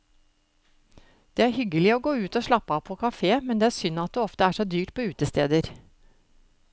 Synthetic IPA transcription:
d̪̥eːæːɾhʏɡəlɪoːɡoːʉːt̪oːʃɭɑpːəɑːpʰoːkʰɑfeːmɛnd̪eːæːɾsʏnɑt̪̚d̪eːɔft̪əæːʂod̪yːʈ̚pʰoːʉːt̪əst̪ḛːd̪əɾ

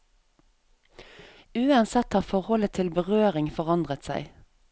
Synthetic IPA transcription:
ʉːɑnsɛt̪hɑːfɔʁhɔlət̪ʰɪlbəʁøːʁɪŋfɔʁɑnd̪ʁət̪sæ̰ɪ

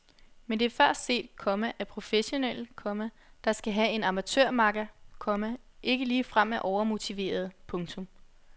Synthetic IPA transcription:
mend̥e̝æɐfɶɐ̰sd̥se̝̰ːd̥̚kʰɒ̽mæʔæpʰʁo̝feɕo̝nel̰kʰɒ̽mæ | d̥ɑ̈sɡ̥æɦæe̝nɑ̈mæt͡sʰøɐ̰mɑ̈ɡ̥ækʰɒ̽mæ | e̝ɡ̥əliːfʁam̰æʔɒʊɐmo̝t͡sʰiʋe̝̰ːɐð̞̩ˠpʰɔ̽ŋt͡sʰɔ̽m

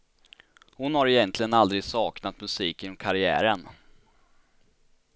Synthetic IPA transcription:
hʊnhaɾɛjɛnt̪lɪɡənald̪ɾɪɡsɑːknat̪mɵsiːkɪnɔmkʰaɾɪæ̰ːɾən

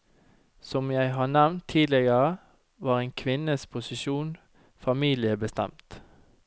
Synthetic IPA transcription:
sɔmjæɪɦɑːnæʋnt̪ʰiːd̪lɪɡəʁə | ʋɑːʁeːnkʰʋɪnəspʰʊsɪʃuːn | fɑmiːlɪəbəst̪ɛ̰mt̪

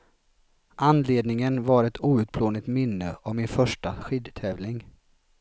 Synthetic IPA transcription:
ʔanleːd̪nɪŋənvaɾɛt̪ʰuːʉ̟ːt̪̚pʰloːnɪt̪mɪnːə̰ʔɔvmɪnfœʂʈaɧɪd̪t̪ʰɛːvlɪŋ

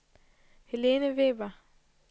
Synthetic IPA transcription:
heleːnəʋeʋa

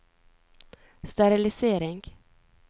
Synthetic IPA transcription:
st̪aɾɪlɪseːɾɪŋɡ

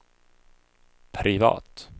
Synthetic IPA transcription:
pʰɾɪvɑ̰ːt̪

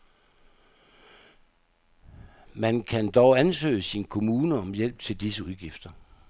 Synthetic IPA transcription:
mænkʰænd̥ɒʊænsø̰ɪəsinkʰo̝muːnəɒ̽mjel̰b̥̚t͡sʰe̝ld̥isəuðˠɡ̥ifd̥ɐ

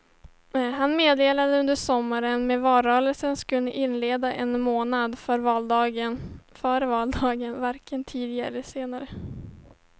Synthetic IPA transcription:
ɦanmeːd̪eːlad̪əɵnd̪əʂɔmːaɾənmɛvɑːɾœːɾəlsənskɵnːəʔɪnːleːd̪aʔɛnmoːnad̪fœɾvɑːld̪ɑːɡənfœːɾəvɑːld̪ɑːɡənvaɾkʰənt̪ʰiːd̪ɪɡa̰ɾəseːnaɾə

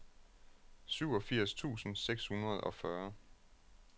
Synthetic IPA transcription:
syʊɒ̽fiɐ̰st͡sʰṵːsn̩seɡ̥shunɐð̞ˠɒ̽fɶɐ

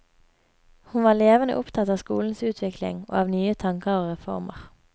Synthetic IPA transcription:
hʊnʋɑːleːʋənə̰ʔʊpt̪ʰɑt̪ɑːʋskuːln̩sʉːt̪ʰʋɪklɪ̰ŋo̰ːɑːʋnyːət̪ʰɑŋkɑoːʁɛfɔ̰ʁmə̰ʁ

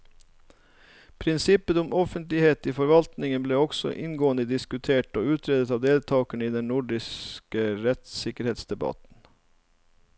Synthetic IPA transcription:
pʰɾɪnsɪpət̪ʊmʔɔfənt̪lɪheːt̪iːfɔɾʋɑlt̪nɪŋənbleːɔɡsɔ̰ʔɪnɡoːənd̪əd̪ɪskʉt̪ʰeːʈo̰ːʉːt̪ʰɾeːd̪ət̪ɑːʋd̪eːlt̪ʰɑːkəɳəiːd̪ɛnnʊɖɪskəɾɛt̪sɪkəɾheːt̪sd̪ɛbɑ̰t̪n̩

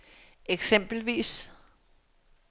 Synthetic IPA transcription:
eɡ̥sem̰b̥l̩ʋḭːs

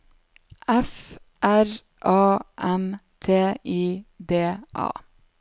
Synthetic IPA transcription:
ʔæf | ʔæɾ | ʔɑːʔɛmt̪ʰeːiːd̪eːʔɑ̰ː

